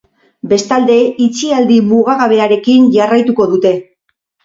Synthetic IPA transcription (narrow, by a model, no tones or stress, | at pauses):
be̞st̪ald̪e̞it͡siald̪imuɣaɣaβ̞e̞aɾe̞kinʝarajt̪uko̞ðut̪e̞